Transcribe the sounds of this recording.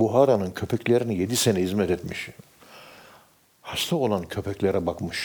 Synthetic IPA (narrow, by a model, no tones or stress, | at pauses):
buɦaːɾanɯncʰø̞pʰɛclʲeɾinijed̪isenɛhizmɛt̪et̪mḭʃ | hast̪ʰao̞lˠancʰø̞pʰɛclʲeɾɛbakmɯʃ